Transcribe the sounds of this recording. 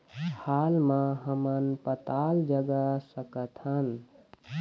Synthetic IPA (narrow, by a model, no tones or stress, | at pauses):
halmãɦəmənpət̪ald͡ʒəɡəsəkət̪ʰɦən